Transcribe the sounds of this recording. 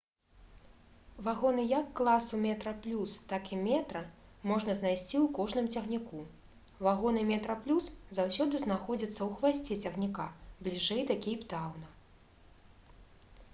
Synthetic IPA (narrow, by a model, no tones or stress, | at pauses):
vaɣɔnɨjɐkːlˠasumʲɛt̪ɾɐplʲust̪akimʲɛt̪ɾɐmɔʐnɐznajsʲt͡sʲiwkɔʐnɨmt͡sʲɐɣnʲiku | vaɣɔnɨmʲɛt̪ɾɐplʲuszawsʲɔd̪ɨznaxɔd͡zʲɐt̪sːɐwxvasʲt͡sʲɛt͡sʲɐɣnʲikablʲiʐɛjt̪akʲijpt̪awnɐ